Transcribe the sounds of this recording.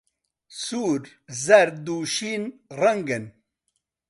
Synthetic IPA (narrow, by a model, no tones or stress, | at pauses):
suːɾ | zɐɾd̪uːʃiːnrɐŋɡən